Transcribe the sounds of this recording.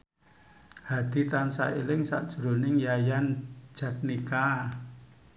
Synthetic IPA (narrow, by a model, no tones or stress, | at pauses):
had̪̥i̤t̪ansa̰elɪŋsa̰ʔd̥ʒ̥ɾonɪŋjajan̥ʒ̥ä̤t̪̚nika